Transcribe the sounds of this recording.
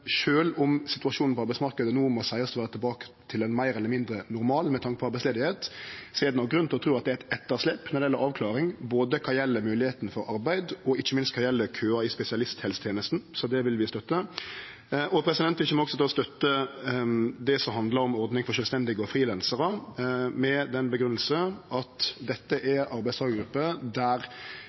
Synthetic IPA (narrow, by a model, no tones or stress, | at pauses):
ʂøːlʊmsɪt̪ʉɑʂuːnn̩pɔɑɾbæɪsmɑɾkəd̪ənuːmɔsæɪɑst̪ɔʋæːɾət̪ɪlbɑːkə̥t̪ʰɪlɛnmæɪɾɛlːəɾmɪnd̪ɾənʊɾmɑːlmɛt̪ʰɑŋkəpʰɔɑɾbæɪsleːd̪ɪheːt̪seːd̪nɑɡɾʉnʰɪlɔt̪ʰɾuːɑt̪̚d̪ɛææɪt̪ɛt̪ːəɾʂlɛpːnɑɾd̪ɛjɛlːəɾɑːʋkʰlɑːɾɪŋboːd̪əkʰɑjɛlːəmʉːlɪheːt̪nfɔɾɑ̰ɾbæɪd̪ɔɪçːəmɪnst̪kʰɑjɛlːəkʰøːɑɪspɛsɪɑlɪst̪ʰhɛːlsət̪ʰjeːnəst̪n̩sɔd̪ɛʋɪlʋɪst̪œt̪ːə | ʔɔpʰɾɛsɪd̪ɛnt̪ʋɪçːəmɔɔksɔt̪ɛɔst̪œt̪ːə | d̪ɛsɔmɦɑnd̪ləɾɔmɔɾd̪nɪŋfɔʃœːlst̪ɛnd̪ɪɡəɔfɾiːlɛnsəɾəmɛd̪ɛnbəɡɾʉnəl̩səɑt̪d̪ɛt̪ːəʔɛɾɑɾbæɪst̪ɑːɡəɡɾʉpːəd̪æɾ